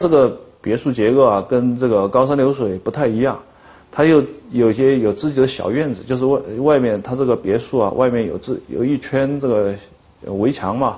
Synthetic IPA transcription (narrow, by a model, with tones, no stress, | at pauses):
ʈ͡ʂɤ˥˩ɡə˩pjɛ˧˥ʂu˥˩t͡ɕjɛ˧˥kɔ˥˩ɐ˩kə˥nʈ͡ʂɤ˥˩ɡə˩kɑ˥ʊʂ̬a˥nljo˧˥ʊʂwe˨˩ɪpu˧˥t̪ʰa˥˩ɪi˧˥jɑ˥˩ŋ | t̪ʰa˥jo˥˩ʊjo˨˩ʊi˧˩ɕjɛ˥jo˨˩ʊt͡sɹ̩˥˩t͡ɕi˨˩d̪ə˦ɕjɑ̰˨˩ʊɥɛ˥˩nt͡sɹ̩˩jo˥˧ʊʂɻ̩˥˧wwa˥˧ɪmjɛ˥˩nt̪ʰa˥ʈ͡ʂɤ˥˩ɡə˩pjɛ˧˥ʂu˥˩ɐ̰˩wʔa˥˧ɪmjɛ˥˩njo˨˩ʊt͡sɹ̩˥˩jo̰˨˩ʊi˥˩t͡ɕʰɥɛ˥nʈ͡ʂɤ˥˩ɡə˩˧ | we˧˥ɪt͡ɕʰjɑ˧˥ŋmɐ˧